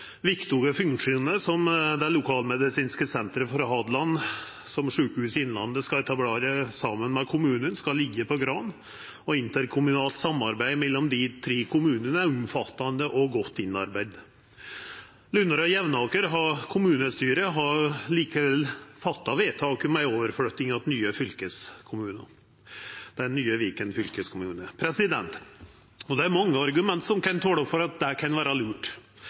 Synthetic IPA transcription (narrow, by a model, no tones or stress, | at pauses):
ʋɪkt̪uːɡəfʉŋʂuːnəsɔmd̪ɛlʊkʰɑːlmɛd̪ɪsiːnskəsɛnt̪ɾəfɔɾɦɑd̪lɑn | sɔmʂʉːkəhʉːsɪnlɑ̰nd̪əskɑɛt̪ʰɑbleːɾəsɑmənmɛkʰʊmʉːnənskɑlɪɡːəpʰɔɡɾɑːn | ɔɪnt̪əɾkʰʊmʉnɑːlt̪sɑmːɑɾbæɪmɛlːɔmd̪ɪt̪ʰɾeːkʰʊmʉːnənəæɾʊmfɑt̪ːɑnd̪əʔɔɡɔt̪ːɪnːɑ̰ɾbæɪd̪ | lʉnːəɾɔjɛʋnɑːkəɾɦɑkʰʊmʉːnəst̪yːɾəɦɑɾliːkəʋɛlfɑt̪ːɑʋeːt̪ʰɑːkmæɪoːʋəɾføːt̪ɪŋɑd̪nyːəfʏlkəskʰʊmʉːnɑ̰ | d̪̥ɛnːyːəʋiːkənfʏlkəskʰʊmʉːnəpʰɾɛsɪd̪ɛ̰nt̪ | ɔd̪ɛæɾmɑŋːəɑɾɡʉmɛnt̪sɔmkɑnt̪ʰoːɽɔpfɔɾɑt̪̚d̪ækʰɑnʋæːɾɑlʉːʈ